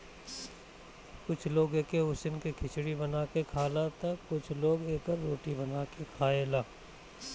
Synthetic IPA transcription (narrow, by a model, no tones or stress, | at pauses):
kʊt͡ʃʰloːɡeːkeʊsɪnkikʰɪt͡ʃʰɽibɐnaːkekʰaːlat̪ɐkːʊt͡ʃʰloːɡeːkəɾːoːʈibɐnaːkekʰaːeːlaː